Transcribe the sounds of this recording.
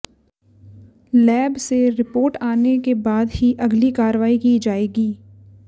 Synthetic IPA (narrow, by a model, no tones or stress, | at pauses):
lɛːbseɾɪpoːɾʈaːnekebaːd̪ɦiʔɐɡlikaːɾʋaːikiːd͡ʒaːeːɡiː